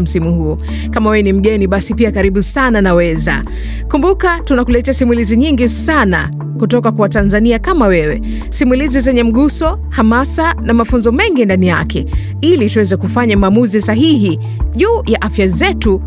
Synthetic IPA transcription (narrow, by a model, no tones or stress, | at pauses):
m̩simuhuɔ | kamawɛɛnim̩ɠɛniɓasipiakaɾiɓusananawɛza̰ | kumbukatunakulɛtasimuliziɲiŋɡisana̰ | kutɔkakwawatanzaniakamawɛwɛ | simulizizɛɲɛm̩ɠusɔ | hamasanamafunzɔmɛŋɡindanijakɛ | ilituwɛzɛkufaɲamaːmuzisaɦiɦi | ʄuːjaʔafjazɛtu